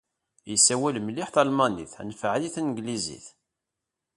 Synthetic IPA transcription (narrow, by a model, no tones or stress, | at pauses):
jəsæwælmliħθɑlmɑnḭθæ̰nfʕliθænəɡlizḭθ